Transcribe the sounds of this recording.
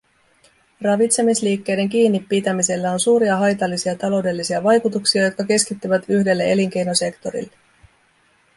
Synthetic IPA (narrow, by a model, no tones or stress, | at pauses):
rɑʋit̪se̞misliːkːe̞jde̞ŋk̟iːnːipːit̪æmise̞lːæo̞nsuːɾiɑɦɑjt̪ɑlːisiɑt̪ɑlo̞wde̞lːisiɑʋɑjkut̪uksiɑjo̞t̪̚kɑke̞skit̪ːyʋæt̪yçde̞lːee̞liŋk̟e̞jno̞se̞kt̪o̞ɾḭlːe̞